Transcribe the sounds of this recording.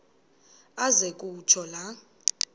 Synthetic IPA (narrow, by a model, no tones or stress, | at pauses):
azekʼut͡ʃʰɔla